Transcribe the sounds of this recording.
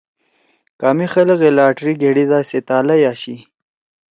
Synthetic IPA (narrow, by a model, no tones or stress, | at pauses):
kaːmixɐləɣelaːʈɾiɡeɽid̪aːset̪aːlɐjaːɕi